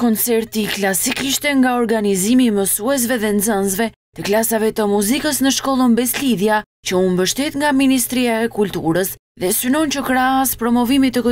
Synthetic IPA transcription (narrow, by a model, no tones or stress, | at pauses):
kɔnt͡sɛɾt̪iklasikiʃt̪ɛŋɡaɔɾɡanizimiməsuɛs̬vɛðɛnd͡zənzvɛ | t̪əklasavɛt̪əmuzikəsnəʃkɔlˠənbɛsliðja | t͡ɕəunbəʃt̪ɛt̪ŋɡaminist̪ɾiaɛkult̪uɾəs | ðɛsynɔncəkɾaaspɾɔmɔvimit̪ək